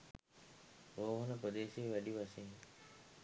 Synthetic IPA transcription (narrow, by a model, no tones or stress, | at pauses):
oːɦunəpɾod̪eːseːʋæɖiʋasiŋ